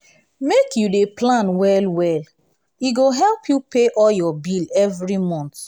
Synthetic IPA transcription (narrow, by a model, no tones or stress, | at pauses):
mekjudeplãnwɛlwɛl | iɡoɦɛlpʰjupeʔɔljɔbilɛvɹimɔ̃nt